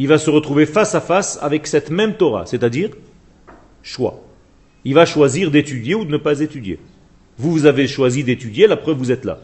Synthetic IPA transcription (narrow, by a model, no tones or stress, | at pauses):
ilvasəʁət̪χuvefasafasa̰vɛksɛt̪mɛmt̪ɔʁa̰set̪ad̪iːʁ | ʃwa̰ | ilvaʃwaziʁd̪et̪yd̪jeud̪ənəpazet̪yd̪jḛ | vuvuzaveʃwazid̪et̪yd̪jelapχœvvuzɛt̪la̰